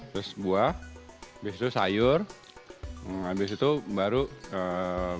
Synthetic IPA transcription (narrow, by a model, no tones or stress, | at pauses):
t̪ɾʊsbuahabɪsit̪usa̰jʊr | abɪsit̪ubaɾuə